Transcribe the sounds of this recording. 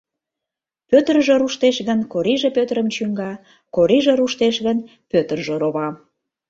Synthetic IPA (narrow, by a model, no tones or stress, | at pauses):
pøt̪ərʒeɾuʃt̪eʃɣənkoɾiʒepøt̪ɾəmt͡ɕyŋɡɑ | koɾiʒĕɾuʃt̪eʃɣən | pøt̪ərʒeɾoβɑm